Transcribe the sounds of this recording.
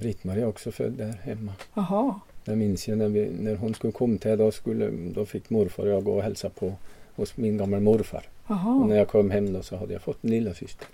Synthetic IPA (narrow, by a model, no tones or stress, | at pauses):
bɾɪt̪mɑɾiɑɔɡsɔfœ̰d̪ːæɾhɛmːɑhd̪ɛmɪnsjæɪnɛɾʋɪnɔɾɦʊnskʉlːəkʰɔmːt̪ʰɪd̪ɔskʉlːə̰d̪ɔfɪkːmʊɾfɑ̰ɾɔɡo̰ːhɛlsɑpʰɔhʊsmɪnɡɑmːəlmʊɾfɑ̰ɾɦnɔɾjæɪkʰɔmːhɛmːd̪osɔhɑd̪ːəjæ̰ɪfɔt̪ːnlɪlːɑsʏst̪ʰə̥ɾ